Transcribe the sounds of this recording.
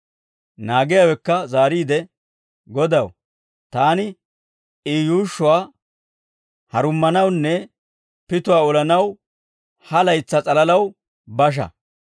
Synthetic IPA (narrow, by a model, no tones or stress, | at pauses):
naːɡɪjaːwɛkːɐzaːɾiːd̪ɛ | ɡɔd̪ɐw | t̪aːnɪ | ijuːʃːʊwaː | hɐɾʊmːɐnɐwnːɛ | pɪt̪ʊwaːɔlɐnɐw | hɐlɐjt͡sːɐt͡sʼɐlɐlɐw | bɐʃ̬ɐ̰